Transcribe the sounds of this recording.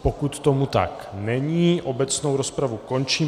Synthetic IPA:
pokut̪ːomut̪a̰k | nɛɲiːʔobɛt͡snowɾɔspɾavukɔnt͡ʃiː

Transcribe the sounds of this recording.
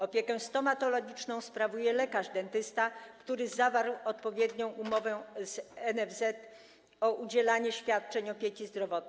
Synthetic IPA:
ɔpʲjɛkɛst̪ɔmat̪ɔlɔɡʲit͡ʂnɔ̃w̃spɾavujɛlɛkaʐd̪ɛnt̪ɘst̪akt̪uɾɘzavaɾwɔt̪̚pɔvʲjɛd̪ɲɔ̃w̃umɔvɛzɛnɛvzɛt̪ | ɔʔud͡ʑɛlaɲɛɕfʲjat̪̚t͡ʂɛɲɔpʲjekʲizd̪ɾɔvɔt̪̚n

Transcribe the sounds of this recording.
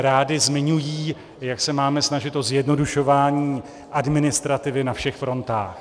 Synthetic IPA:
ɾaːdɪzmɪɲujiː | jaksɛmaːmɛsnaʒɪt̪ʔo̞zjɛdno̞duʃo̞vaːɲiː | ʔadmɪnɪst̪ɾat̪ɪvɪnafʃɛxfɾo̞nt̪a̰ːx

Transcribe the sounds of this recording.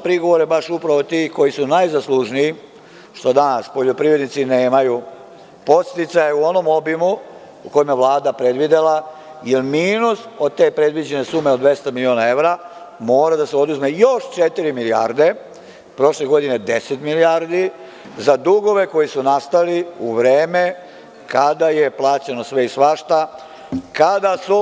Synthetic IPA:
pɾiɡo̞ʋo̞ɾe̞baʃupɾaʋo̞t̪iːko̞jisunajzaslˠuʒnii | ʃt̪o̞d̪anaspo̞ʎo̞pɾiʋɾed̪nit̪sine̞ːmaju | po̞t̪st̪it̪sajeuo̞no̞mo̞bimuː | ko̞jimjeʋlˠaːd̪apɾe̞d̪ʋid̪e̞la | jelmiːnuso̞d̪̚t̪e̞ːpɾe̞d̪ʋid͡ʑe̞ne̞suːme̞od̪ʋe̞st̪amilionae̞ʋɾa | mo̞ːɾad̪aseo̞d̪uzme̞jo̞ʃt͡ʃet̪iɾimilia̰ɾd̪e̞ | pɾo̞ʃle̞ɡo̞d̪ine̞d̪e̞set̪miliaɾd̪i | zad̪uɡo̞ʋe̞ko̞jisunast̪aliuʋɾeːme̞ | kad̪aje̞plˠaːt͡ɕeno̞sʋe̞isʋaʃt̪a | kad̪asu

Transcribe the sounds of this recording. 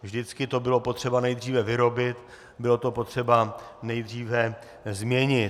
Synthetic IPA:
vʒdɪt͡skɪt̪o̞bɪlo̞pot̪r̝̥ɛbanɛjd̪r̝iːvɛvɪɾo̞bɪt̪ | bɪlo̞t̪o̞po̞t̪r̝̥ɛbanɛjd̪r̝iːvɛ | zmɲɛɲɪ

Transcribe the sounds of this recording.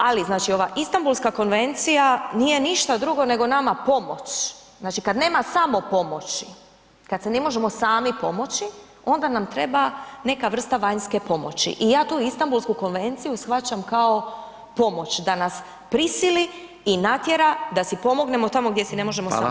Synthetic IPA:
aliznaːt͡ʃio̞ʋaʔist̪ambulskako̞nʋe̞nt̪sijanije̞niʃt̪ad̪ɾuɡo̞ne̞ɡo̞namapo̞mo̞t͡ʃ | znaːt͡ʃikad̪ne̞ːmasamo̞po̞mo̞t͡ʃi | kad̪sene̞mo̞ʒe̞mo̞saːmipo̞mo̞t͡ʃi | o̞nd̪anamt̪ɾe̞bane̞kaʋr̩st̪aʋaɲske̞po̞mo̞̰t͡ɕḭʔijaːt̪uːist̪ambulˠskuko̞nʋe̞nt̪sijusxʋat͡ʃamkao̞ | po̞mo̞t͡ɕd̪anas | pɾisiliː | nat̪jeɾad̪asipo̞mo̞ɡne̞mo̞t̪amo̞ɡd̪ʲjesine̞mo̞ʒe̞mo

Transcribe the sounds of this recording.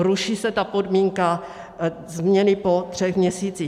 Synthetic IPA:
ɾuʃiːsɛt̪apo̞dmiŋka | zmɲɛnɪpo̞t̪r̥ɛxmɲɛsiːt͡si

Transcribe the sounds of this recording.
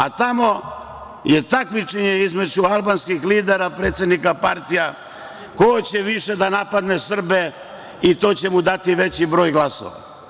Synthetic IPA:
a̰t̪amo̞ | jet̪akmit͡ʃeɲeizme̞d͡ʑualˠbanskixliːd̪eɾapɾe̞ːt̪sjed̪nikapaɾt̪ija | koot͡ɕeʋiʃe̞d̪anapad̪ne̞sr̩be | it̪o̞ːt͡ɕemud̪at̪iʋe̞t͡ɕibɾo̞ːjɡlˠaso̰ʋa̰

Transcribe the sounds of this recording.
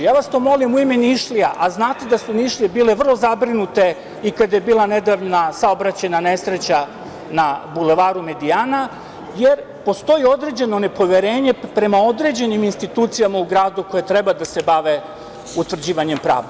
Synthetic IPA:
jaːʋast̪o̞mo̞limuime̞niʃliaʔaznaːt̪e̞d̪asuniʃlijebiːle̞ʋr̩lˠo̞zabɾinut̪e̞ | ikad̪ajebiːlˠane̞d̪aʋnasao̞bɾat͡ɕenane̞sɾe̞t͡ɕa | nabule̞ʋaːɾume̞d̪iaːna | jeɾ | po̞st̪o̞jio̞d̪ɾe̞d͡ʑe̞no̞ne̞po̞ʋje̞ɾe̞ːɲe̞pɾe̞mao̞d̪ɾe̞d͡ʑe̞niminst̪it̪uːt̪sijamauɡɾaːd̪uko̞jet̪ɾe̞bad̪ase̞baʋe̞ | ut̪ʋr̩d͡ʑiːʋaɲe̞mpɾa̰ːʋd̪

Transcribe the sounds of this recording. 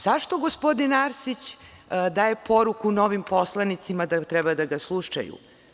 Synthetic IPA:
z̥aʃt̪oɡospod̪inaɾsit͡ɕ | d̪aːjepoɾukuno̞ʋimpo̞slˠanit̪simad̪at̪ɾɛbad̪aɡaslˠuʃa̰jṵ

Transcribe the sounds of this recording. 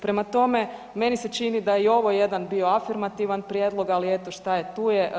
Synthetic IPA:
pɾe̞mat̪o̞me | me̞niset͡ʃinid̪ajeio̞ʋo̞jed̪anbio̞afiɾmat̪iʋanpɾjed̪lˠo̞ɡaliet̪oʃt̪ajet̪uːje

